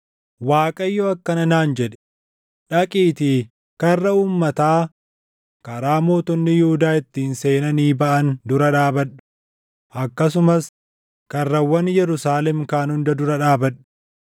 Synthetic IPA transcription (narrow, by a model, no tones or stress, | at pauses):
waːkʼɐjːoɐkːɐnɐnaːnd͡ʒɛᶑɛ̥ | ᶑɐkʼiːt̪i | kɐrːɐuːmːɐt̪aː | kɐɾaːmo̞ːt̪ʊnːɪjʊhʊd̪aːɪt̪ːiːnseːnɐniːbɐʔɐnd̪ʊɾɐᶑaːbɐᶑʊ̥ | ʔɐkːɐs̬ʊmɐs | kɐrːɐwɐnjɛɾʊsaːlɛmkaːnhʊnd̪ɐd̪ʊɾɐᶑaːbɐᶑʊ̥